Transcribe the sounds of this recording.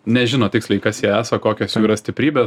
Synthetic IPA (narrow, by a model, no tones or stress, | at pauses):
nʲɛʒʲɪnoːt̪ʲɪksʲlʲɐɪkɐsjiɛæːsɐkoːkʲoːsjuːiːɾɐsʲt̪ʲɪpʲɾʲiːbʲeː